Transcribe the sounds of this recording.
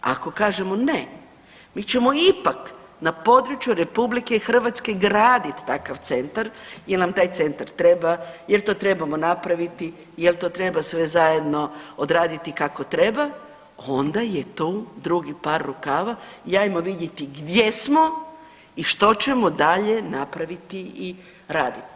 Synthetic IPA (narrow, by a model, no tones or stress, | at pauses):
a̰ko̞kaːʒe̞mo̞ne | miːt͡ʃe̞moipak | napo̞d̪ɾut͡ʃjuɾe̞publike̞xr̩ʋat̪ske̞ɡɾaːd̪it̪ːakaʋt̪se̞nt̪aɾjelnamt̪aːjt̪se̞nt̪aɾt̪ɾe̞bajelt̪o̞ːt̪ɾe̞bamo̞napɾaʋit̪i | jelt̪o̞ːt̪ɾe̞basʋe̞zaje̞d̪no̞od̪ɾaːd̪it̪ikako̞t̪ɾe̞ba | ond̪aje̞t̪ud̪ɾuɡipaɾːukaːʋaiajmoʋid̪je̞t̪iɡd̪je̞smo̞ | iʃt̪o̞t͡ʃe̞mod̪aʎe̞napɾaʋit̪ii | ɾaːd̪it̪i̥